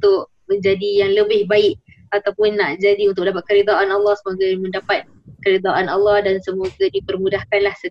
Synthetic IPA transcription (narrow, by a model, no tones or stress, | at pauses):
ut̪ʊʔ | mə̃ɲd͡ʒadijaŋləbɪhbaɪk̚ | at̪awpʊnːaʔd͡ʒadiunt̪ʊkm̚ədap̬at̪̚kəɾed̪aʔanalːɑhsəmoɡamə̃ndapat̪̚ | kəɾed̪aʔanɑlːɑhdansəmoɡadipərmudahkanlahsə